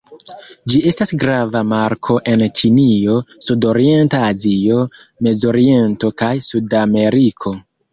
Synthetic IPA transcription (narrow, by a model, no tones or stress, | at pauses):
d͡ʒie̞stasɡɾavamaɾkʰo̞ʔe̞nt͡ʃinio̞sudo̞ɾie̞ntaːzio̞ | me̞zo̞ɾie̞nto̞kajsudame̞ɾikʰo̞